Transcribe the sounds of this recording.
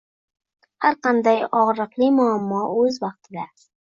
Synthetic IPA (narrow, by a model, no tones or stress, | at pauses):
haɾqʰɑnd̪ajɒʁɾɨqlˠɪmʊamːɒɵzvɑq̚t̪ʰɪd̪a